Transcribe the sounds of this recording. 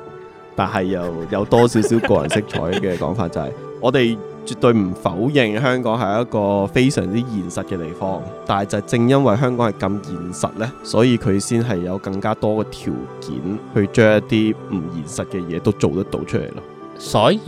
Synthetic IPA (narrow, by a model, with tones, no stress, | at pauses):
t̪aː˨˩nɦɐ˨jːɐ˨wjɐ˨˧wt̪ɔː˥siː˨˥wsiː˨˥wkɔː˧jɐ̰˨˩nsɪ˥k̚t͡ʃʰɔ̰ː˨˥jkɛː˧kɔ̰ː˨˥ŋfaː˧t̚t͡sɐ˨hɐ̰˨j | ɔː˨˧t̪e˨j | t͡ʃyː˨k̚t̪ɵ˧ɥm̩˨˩fɐ˨˥wjɪ˨˧ŋɦœː˥ŋkɔː˨˥ŋɦɐ˨˥jɐ˥t̚kɔː˧fe˥jsœː˨˩ŋt͡siː˥jiː˨˩nsɐ˨t̚kɛː˧t̪e˨jfɔː˥ŋt̪aː˨nɐ˨˩t͡sɐ˨t͡sɪ˧ŋjɐ˥nwɐ˨jɦœː˥ŋkɔː˨˥ŋhɐ˨˩jkɐ˧mjiː˨˩nsɐ̰˨t̚lɛː˥sɔː˨˥jiː˨˧kʰɵ˨˧ɥsiː˥nɦɐ˨jːɐ˨˧wkɐ˧ŋkaː˥t̪ɔː˥kɛː˧t̪ʰḭː˨˩wkḭː˨˥nhɵ˧ɥt͡ʃœː˥ŋjɐ˥tt̪iː˥m̩˨˩jiː˨˩nsɐ˨t̚kɛ˧jɛː˨˧t̪o˥wt͡so˨wt̪ɐ˥t̚t̪o̰˧wt͡ʃʰɵ˥lḛ˨˩lɔ̰˥ | sɔː˨˥